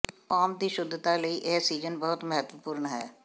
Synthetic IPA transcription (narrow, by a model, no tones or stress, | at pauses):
aːmd̪iʃʊd̪ʱːt̪aləiʔeːsiːzənbɐɦʊt̪mɐɦət̪wəpuːɾnɦɛː